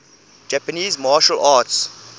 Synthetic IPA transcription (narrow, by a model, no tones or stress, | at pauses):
d͡ʒæpəniːzmɑːʃəlʔats